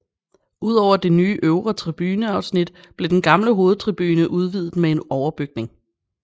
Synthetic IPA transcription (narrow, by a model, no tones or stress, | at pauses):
uð̞̰ˠɒʊ̰ɐd̥e̝nyːʔøʊʁɐt͡sʰʁib̥yːnəɑ̈ʊsnid̥ | b̥le̝d̥enɡ̥ɑ̈mləɦo̝ːð̩ˠt͡sʰʁib̥yːnəʔuð̞ˠʋiːð̞̩ˠmeenɒʊɐb̥yɡ̥̚ne̝ŋ